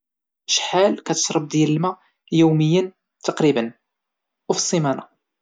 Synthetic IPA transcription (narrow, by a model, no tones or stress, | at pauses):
ʃħalkæt̪ə̥ʃɾˤəb̚d̪jæləlmæ | juwməjːən | t̪ɑqɾibən | ufsˤːimænɑ